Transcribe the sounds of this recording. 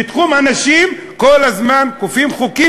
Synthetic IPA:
it̪χumanaʃim | kolazmankufimχuki

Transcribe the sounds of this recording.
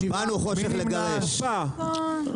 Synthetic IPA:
banuχoʃeχleɡaʁeʃ

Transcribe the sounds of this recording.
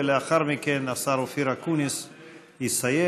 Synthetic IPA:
leaxaɾmikenasaɾufiɾakunis | isaje

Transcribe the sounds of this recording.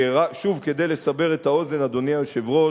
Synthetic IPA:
eʁaʃuvke̞d̪ejlesabeʁe̞t̪ao̞ze̞nad̪o̞nialʃevʁo

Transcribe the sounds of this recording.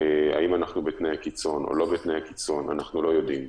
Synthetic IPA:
ea̰imanaχnubetnejhakit͡so̞nʔo̰lo̞betnejhakit͡so̞na̰naχnulo̞jo̞dim

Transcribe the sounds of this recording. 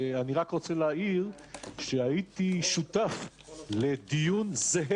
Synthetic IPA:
aniʁakʁot͡seleaiʁ | ʃeait̪iʃut̪af | led̪ijunzeɦ

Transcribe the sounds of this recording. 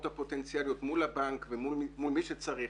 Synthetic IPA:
t̪hapo̞t̪ent͡sialjot̪mulabaŋkvemumulmiʃet͡saʁi

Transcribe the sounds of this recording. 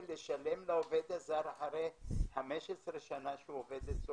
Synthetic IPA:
leʃalemlaoved̪azaɾaħaʁeħameʃesʁeʃanaʃeuoved̪et̪zo

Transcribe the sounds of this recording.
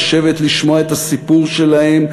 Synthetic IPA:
ʃe̞vet̪liʃmo̞aet̪asipuʁʃe̞lahe̞m

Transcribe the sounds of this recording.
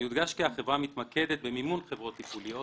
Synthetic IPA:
jud̪ɡaʃkihaχe̞vʁamit̪maked̪et̪̚bemimunχe̞vʁo̞t̪ːipulijo

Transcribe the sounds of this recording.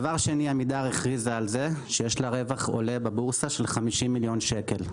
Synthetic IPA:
avaʁʃeniamid̪aʁeχʁizaːlze̞ʃejeʃlaʁe̞vaχo̰le̞babuʁsaʃelχamiʃimːiljo̞nʃeke̞l

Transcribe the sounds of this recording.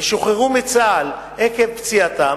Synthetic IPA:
ʃoχeʁumit͡saːl | ekevpt͡siat̪a

